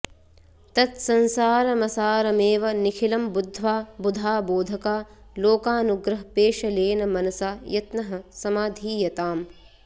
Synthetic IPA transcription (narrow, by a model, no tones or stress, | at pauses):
t̪ɐt̪sɐnsaːɾɐmɐsaːɾɐmeːʋɐnikʰilɐmbud̪ʱːʋaːbud̪ʱaːboːd̪ʱɐkaːloːkaːnuɡɾɐɦɐpeːʃɐleːnɐmɐnɐsaːjɐt̪nɐɦɐ̆sɐmaːd̪ʱiːjɐt̪aːm